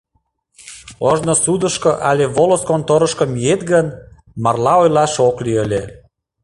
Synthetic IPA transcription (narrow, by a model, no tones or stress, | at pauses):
oʒnosud̪əʃkoʔɑlʲeβoloskont̪oɾə̆ʃkŏmiet̪ɡən | mɑrlɑojlɑʃokliəlʲe